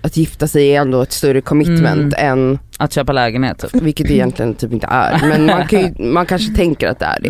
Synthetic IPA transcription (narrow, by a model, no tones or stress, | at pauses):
at̪jɪft̪asɛjɛnːd̪oːɛt̪st̪ɵɾːəkʰɔmɪt̪mɛ̰nt̪ɛnː | at̪ɕøːpalɛːɡənhḛːt̪ʰːvɪlkːət̪̚d̪ɵɛjɛnt̪ʰlɪɡənt̪ʰyːpɪnt̪ʰə̰ʔæ̰ɾmɛnmankʰanjɵmankʰanʂət̪ʰɛŋkəɾat̪̚d̪ɛ̰æ̰ɖɛ̰